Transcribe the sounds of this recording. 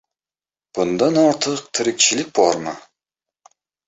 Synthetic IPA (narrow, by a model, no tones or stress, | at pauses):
b̥ʊnd̪anɒɾt̪ʰɨqt̪ʰɪɾɪk̚ʲt͡ʃʰɪlɪk̚ʲbɒɾmɨ̰